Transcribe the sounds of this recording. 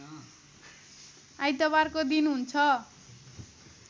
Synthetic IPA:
ajt̪ʌβarkod̪inɦunt͡sʰʌ

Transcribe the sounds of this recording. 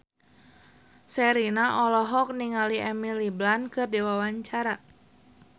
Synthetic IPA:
sɛɾinaʔɔlɔɦɔk̚niŋaliɛmiliblankɨrdewawaɲt͡ʃaɾa

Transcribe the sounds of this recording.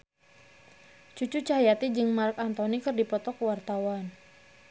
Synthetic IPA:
t͡ʃut͡ʃut͡ʃaɦajat̪id͡ʒɨŋmarkant̪ɔnikɨrdipɔt̪ɔkwart̪awan

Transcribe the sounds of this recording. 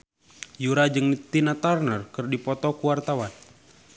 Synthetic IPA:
juɾad͡ʒɨŋnt̪inat̪arnərkɨrdipɔt̪ɔkuwart̪awan

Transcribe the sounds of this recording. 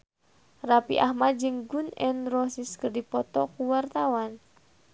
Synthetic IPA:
rapḭʔahmat̪̚d͡ʒɨŋɡunɛnrɔsiskərdipɔt̪ɔkuwart̪awan

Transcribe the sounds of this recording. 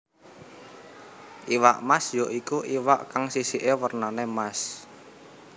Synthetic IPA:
ʔiwaʔmasjɔʔikuʔiwaʔkaŋsisiʔewərnanemas

